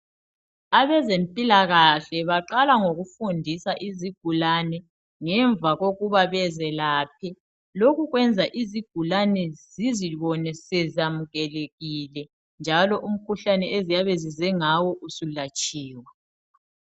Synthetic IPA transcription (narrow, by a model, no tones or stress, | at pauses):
aβɛzempʼilaɣaɬɛβaǃalaŋoɣufundʱisaʔiziɡ̥ʱulanɛ | ŋɛɱvʱaɣoɣuβaβɛzɛlaːp̚ʰɛ | loɣuɣwɛnd͡zʱaʔiziɡ̥̚ʱulanɛziziβɔnɛsɛzamuɣɛleɣilɛ | nd͡ʒʱalɔʔum̩kʰuɬanɛezijaβɛzizɛŋawɔʔusulat͡ʃʼiːwa